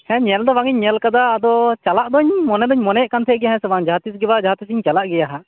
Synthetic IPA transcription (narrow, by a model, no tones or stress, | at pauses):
hɛ̃ɲɛld̪ɔbaŋiɲːɛlkad̪aːd̪ɔt͡ʃalaʔd̪ɔɲmɔnɛd̪ɔɲmɔnɛʔkant̪ʰɛʔɡɛjaɦɛ̃sɛbaŋd͡ʒaɦat̪is̬ɡɛbad͡ʒaɦat̪isiɲt͡ʃalaʔɡɛjaɦa